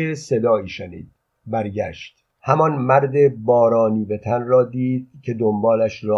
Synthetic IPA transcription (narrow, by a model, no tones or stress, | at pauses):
ese̞d̪ɒːiːʃenḭːd̪̥ | bæɾɟæːʃt̪ | hæmɒnmæɾd̪ebɒːɾɒːniːvet̪ʰænrɒːd̪iːd̪̚cʰe̞d̪ombɒːlæʃrɒː